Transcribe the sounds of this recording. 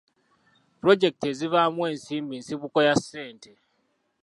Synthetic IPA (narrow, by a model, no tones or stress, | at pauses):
puɾo̞d͡ʒe̞k̚teziβamwe̞ːnsiːmbinsiβuko̞jasːe̞ːntʰe